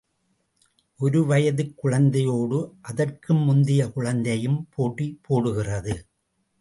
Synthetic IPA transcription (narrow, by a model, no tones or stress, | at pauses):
ʔɔɾɯʋɐjɐðɯkːʊɻɐnd̪ɐjoːɽɯʔɐðɐrkɯmːʊnd̪ɪjɐkʊɻɐnd̪ɐjɯmpʰoːʈːipːoːɽɯɣɪrɐðɯ